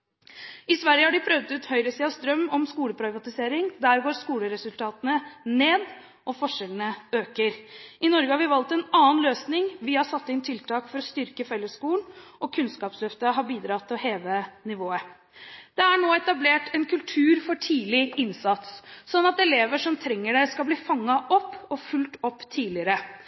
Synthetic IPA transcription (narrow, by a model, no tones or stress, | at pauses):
ɪsʋæɾjəhɑɖɪpʰɾœʋd̪ʉːt̪hœʏɾəsiːɑst̪ɾœmːɔmskuːləpʰɾɑʋɑt̪ɪseːɾɪŋd̪æːɾɡoːɾskuːləɾɛsʉlt̪ʰɑːt̪ənəneːd̪ | ʔɔfɔʂɛlənəøːkəɾʔɪnɔɾɡəhɑɾʋɪʋɑlt̪ɛnɑːnløːsnɪŋʋɪhɑsɑt̪ːɪnt̪ʰɪlt̪ʰɑːkfɔɾɔst̪ʏɾkəfɛlːəskuːnʔɔkʰʉnskɑːpslœft̪əɦɑɾbiːd̪ɾɑt̪ʰːɪɔɦeːʋənɪʋoːə | d̪̥ɛæɳoːɛt̪ɑbleːʈʰɛnkʉlt̪ʰʉːɾfɔʈʰiːlɪʔɪnsɑt̪sːɔnːɑt̪ɛleːʋəʂɔmt̪ʰɾɛŋːəɖæɪskɑbliːfɑŋːɑʔɔpːɔfʉlt̪ɔpːt̪ʰiːlɪəɾə